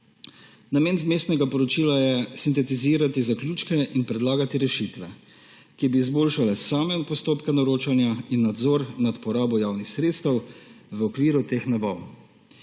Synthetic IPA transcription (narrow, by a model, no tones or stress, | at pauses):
nameːnmeːst̪nɛɡapɔɾɔt͡ʃiːlajɛsint̪ɛt̪iziːɾat̪izaklʲjuːt͡ʃkɛʔinpɾɛd̪laːɡat̪iɾɛʃit̪ʋɛ | kibiːzboːlʃalɛsaːmɛpɔst̪oːpkanɔɾoːt͡ʃanjainːad̪zɔːɾnat̪pɔɾaːbɔjaːwnixsɾeːt̪st̪ɛwʋəɔkʋiːɾut̪exnabɔw